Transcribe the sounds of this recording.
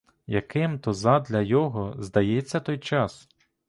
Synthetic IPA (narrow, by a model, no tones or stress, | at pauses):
jɐkɪmt̪ɔzɑd̪lʲɐjɔɦɔzd̪ɐjɛt͡sʲːɐt̪ɔjt͡ʃɑs